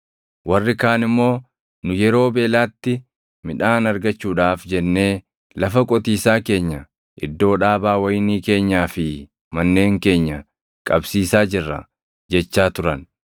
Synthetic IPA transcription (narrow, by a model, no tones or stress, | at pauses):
wɐrːɪkaːnɪmːo̞ː | nʊjɛɾo̞ːbeːlaːt̪ːɪ | mɪᶑaːnɐɾɡɐt͡ʃːuːᶑaːfd͡ʒɛnːe̞ː | lɐfɐkʼɔt̪iːsaːke̞ːɲːɐ | ʔɪ̰d̪ːo̞ːᶑaːbaːwɐjɪniːke̞ːɲːaːfɪ | mɐnːe̞ːŋke̞ːɲːɐ | kʼɐbsiːsaːd͡ʒɪrːɐ̰ | d͡ʒɛt͡ʃːaːt̪ʊɾɐn